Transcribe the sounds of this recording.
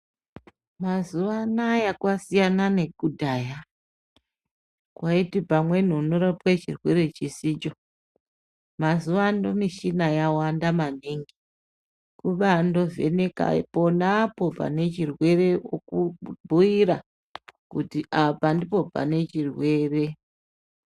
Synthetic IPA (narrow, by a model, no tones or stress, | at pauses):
mazuʋanajakwasijanane̞kudʱaːja | kwaitipamwe̞n̤unoɾapwet͡ʃirwe̞ɾe̞t͡ʃisit͡ʃo̞ | mazuʋandomiʃinajawandamaniŋɡi | kuɓando̞ve̞̰neka̰po̞napo̞b͡va̰ne̞t͡ʃirwe̞re̞okubʱuiɾa | kutiʔapandipo̞b͡va̰ne̞t͡ʃirwe̞ːre̞